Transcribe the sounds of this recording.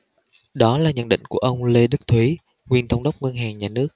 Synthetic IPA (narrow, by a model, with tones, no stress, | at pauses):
ɗɔ˨˦laː˨˩ɲə̰˧˨nɗḭ̈˧˨ŋ̟ku˧˩əʔə˧wŋ͡mle˧ɗɨ˦˥k̚t̪ʰwi˨˦ | ŋwi˨˩ənt̪ʰə˧wŋ͡mɗə˦˥wk͡p̚ŋə˧nɦaː˨˩ŋɲaː˨˩nɨ˦˥ək̚